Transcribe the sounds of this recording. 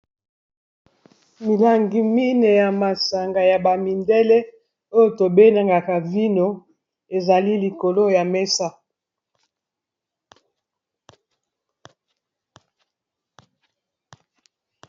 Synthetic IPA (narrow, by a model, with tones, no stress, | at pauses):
mi˨la˨ŋɡi˨mi˦ne˨ja˨ma˨sa˨ŋɡa˨ja˨ba˨mi˨ndɛ˦le˦ | o˦jo˨to˨be˦na˨ŋɡa˨ka˨vi˦no˦ | e˨za˨li˦li˨ko˨lo˦ja˨me˦sa˦